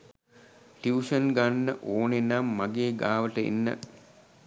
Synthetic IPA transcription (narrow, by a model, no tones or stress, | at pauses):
tiuʂənɡanːəʔoːnenamːaɡeːɡaːʋəʈəḭnːə̰